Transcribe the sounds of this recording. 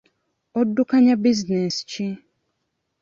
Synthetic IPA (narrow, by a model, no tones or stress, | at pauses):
ɔdːukaɲabiznɛst͡ʃi